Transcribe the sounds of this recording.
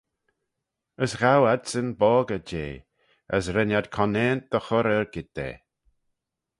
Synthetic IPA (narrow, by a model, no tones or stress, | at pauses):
əsɣawadsənbɔːɡəd͡ʒḛː | ə̰sɾɛnad̪kʰɔneːnd̪̥əxɔɾəɹɡ̥ɪt̪̚ːḛː